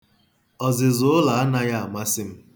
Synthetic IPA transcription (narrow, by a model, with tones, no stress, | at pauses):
ɔ˨zɪ˨zʊ˦ʊ˦la˨a˦na˦ja˦a˨ma˦sɪ˦m̩˦